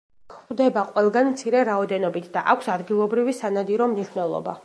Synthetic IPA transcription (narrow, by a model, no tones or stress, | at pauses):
kʰd̪ɛbaqʼwɛlˠɡanmt̪sʰiɾɛɾaɔd̪ɛnɔbit̪ʰd̪̥aʔakʷʰsad̪ɡilˠɔbɾivisanad̪iɾɔmniʃwnɛlˠɔ̰ba̰